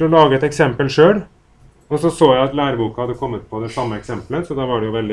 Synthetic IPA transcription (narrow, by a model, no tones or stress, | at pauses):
ɔlɑːɡəɛt̪ɛksɛmpəlʂøːɽ | ɔsɔsoːjæɪɑt̪læːɾəbuːkɑhɑd̪ːəkʰɔmːət̪̚pʰɔd̪ɛsɑmːəɛksɛmpləsɔd̪ɑːʋɑɖɛjʊʋɛld̪ɪ